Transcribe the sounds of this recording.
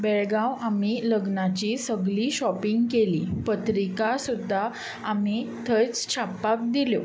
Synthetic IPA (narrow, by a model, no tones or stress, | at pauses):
bɛɭɡãwamiləɡnat͡ɕisəɡɭiːɕɔpiŋɡkelḭːpət̪ɾikasud̪ʱːa | amit̪ʰət͡st͡ɕʰapːak̚d̪iljo